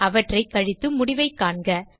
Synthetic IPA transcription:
ɐʋɐʈrɐɪkːɐɻɪt̪ːɯmʊɽɪʋɐɪkːaːɳɡɐ

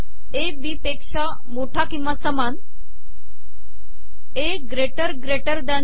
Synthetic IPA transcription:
ebipekʂa | moʈʰakĩw̃ʋasəman | e | ɡɾeʈəɾɡɾeʈəɾd̪an

